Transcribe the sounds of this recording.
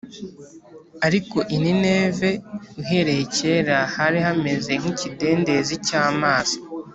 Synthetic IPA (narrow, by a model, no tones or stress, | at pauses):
aɾiko̞ʔinine̞ːve̞uɦe̞ɾe̞hece̞ɾahaɾihame̞ze̞ŋ̥icide̞ːndezicaːmaːzḁ